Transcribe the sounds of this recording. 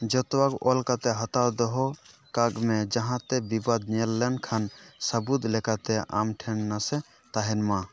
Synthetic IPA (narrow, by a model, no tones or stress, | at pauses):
d͡ʒɔt̪waɡɔlkat̪ɛɦat̪ad̪ɔɦɔkaɡmɛd͡ʒaɦãt̪ɛbibad̪nɛlːɛnkʰansəbud̪lɛkat̪ɛa̰mʈʰɛnnasɛ | t̪aɦɛnma